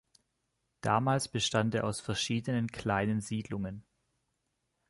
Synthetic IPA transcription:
d̥a̰ːmaːlsb̥əʃtanteːɐʔaʊsfɛɐʃiːdənənkʰl̥aɪnənziːdlʊŋən

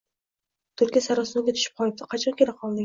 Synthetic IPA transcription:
t̪ʰʊɾkʲijesæɾɑsɨnɪɡʲɛt̪ʰy̥ʃy̥p̚qʰɑlˠɨp̚t̪ʰɪqʰɑt͡ʃʰɑnkʲelɪqʰɑlˠd̪ɪ

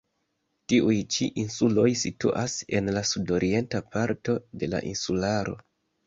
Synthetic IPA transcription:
tiʔujt͡ʃiʔinsulo̞jsitṵʔase̞nlasudo̞ɾʔie̞ntapaɾto̞de̞la̰ʔinsulaɾo̞̰

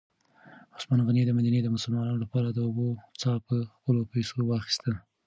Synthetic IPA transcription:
ʊsmɑnɣanid̪əmad̪aned̪əmʊsʊlmɑnɑnolapɑɾad̪əʊbot͡sɑpəxpəlopajsowɑxi̥st̪əl

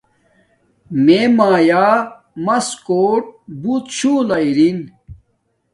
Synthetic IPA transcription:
memaːjaː | mɐskoːʈ̚but̪ɕũːlɐiɾin

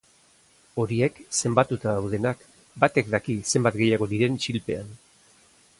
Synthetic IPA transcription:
o̞ɾie̞kse̞mbat̪ut̪aðawð̞e̞nak | bat̪e̞kd̪akise̞mbat̪ɡe̞jaɣ̞o̞ðiɾe̞nt͡ʃilpe̞an

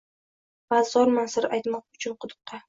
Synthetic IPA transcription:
b̥azːɒɾmansɪɾajt̪mɒq̚ʊt͡ʃʰʊnqʰʊd̪ʊ̥q̚t̪ʰɑ

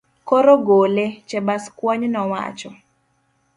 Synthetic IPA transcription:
koɾoɡolet͡ʃɛbaskwaɲnɔwa̰t͡ʃɔ

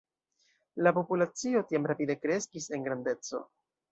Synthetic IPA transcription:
lapopulat͡sio̞tiamɾapide̞kɾe̞skise̞ŋɡɾande̞t͡so̞̰

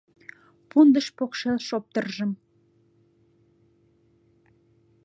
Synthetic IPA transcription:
pund̪əʃpokʃelʃop̚t̪ərʒə̆m

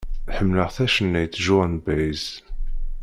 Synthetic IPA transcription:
ħəmːləʁθæʃənːæjt͡sːʒʊʁnbæz

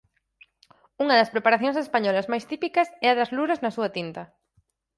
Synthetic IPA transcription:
uŋɐðɐspɾepaɾaθjõŋsespaɲɔlɐzmajst̪ipikɐsɛɐðɐzluɾɐznɐsuɐt̪int̪ɐ

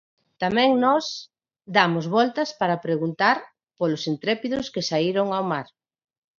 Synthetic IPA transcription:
t̪amɛ̃ŋnɔs | d̪amozβɔlt̪aspaɾapɾeɣunt̪aɾ | polosint̪ɾepiðoskesaiɾoŋawmaɾ

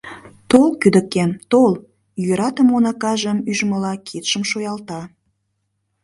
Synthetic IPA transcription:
t̪olkyd̪ə̆kemt̪ol | jøɾɑt̪əmonɑkɑʒəmyʒməlɑkʰit̪ʃəmʃojɑlt̪ɑ

